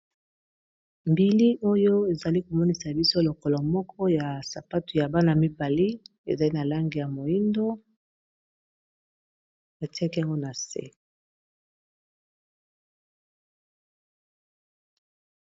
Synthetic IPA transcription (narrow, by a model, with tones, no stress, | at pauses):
mbi˨li˦ʔo˦jo˦e˨za˨li˦ko˨mɔ˦ni˨sa˨bi˦so˦lo˨kɔ˨lɔ˨mɔ˦kʰɔ˦ja˨sa˨pa˦tu˨ja˨ba˦na˨mi˦ba˨li˦ | ḛ˨za˨li˦na˨la˦ŋɡi˨ja˨mo˨i˦ndo˦ | a˨ti˦a˦ki˦a˨ŋɡo˦na˨sḛ˦